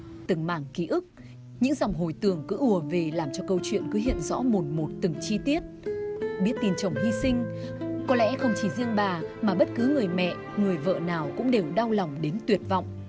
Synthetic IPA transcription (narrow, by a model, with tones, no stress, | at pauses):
t̪ɨ˨˩ŋma̰ː˧˩ŋki˨˧˦ʔɨ˦˥k̚ | ɲɨ̰˧˥ŋza˨˩wŋ͡mɦo˨˩jt̪ɨ˨˩əŋkɨ̰˧˥ʔu˧˩əve˨˩laː˨˩mt͡ɕɔ˧kə˧wt͡ɕwḭ˧˨ənkɨ˨˦ɦḭ˧˨ənzɔ̰˧˥mo˨˩t̚mo˨˩t̚t̪ɨ˨˩ŋt͡ɕi˧t̪i˦˥ət̚ɓi˦˥ət̚t̪i˧˩nt͡ɕə˨˧˩wŋ͡mhi˧sï˧ŋ̟ | kɔ˨˦lɛ̰˧˥xə˧wŋ͡mt͡ɕi˧˩zi˧əŋɓaː˨˩maː˨˩ɓə˦˥t̚kɨ˨˦ŋɨ˨˩əjmɛ̰˧˨ | ŋɨ˨˩əjvə̰ː˧˨naː˨˩wkʊ̰˧˥ŋ͡mɗe˨˩wɗa˧wla˨˩wŋ͡mɗe˨˦nt̪wi˨˩ət̚va̰˧˨wŋ͡mʔ